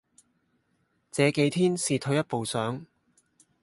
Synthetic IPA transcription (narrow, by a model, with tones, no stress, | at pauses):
t͡sɛː˨˧ke˨˥jt̪ʰiː˥nsiː˨t̪ʰɵ˨˥ɥjɐ˥t̚po˨wsœː˨˥ŋ